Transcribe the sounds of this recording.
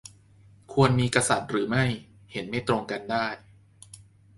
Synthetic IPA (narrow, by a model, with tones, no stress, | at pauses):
kʰu˧ənmiː˧kɾa˧sa˨˩t̪̚ɾɯː˩˦ma˥˩j | he˩˦nma˥˩jt̪ɾo˧ŋka˧ndaː˥˩j